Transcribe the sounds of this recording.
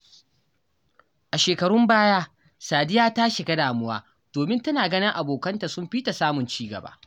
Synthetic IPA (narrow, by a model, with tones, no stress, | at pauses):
ʔa˨ʃeː˨kɐ˨ɽʊ˦mbaː˦jaː˦ | saː˨dɪ˦jaː˦taː˦ʃe˨ɡɐ˦daː˨mʊ˦waː˦ | d̥oː˨mɪ˦ntɐ˦naː˨ɡɐ˦nɪ˦ŋʔa˨boː˨kɐ˦nta˨sʊ˦mɸiː˦ta˨saː˦mʊ˨nt͡ʃiː˦ɡɐ̰˨ba̰ː˦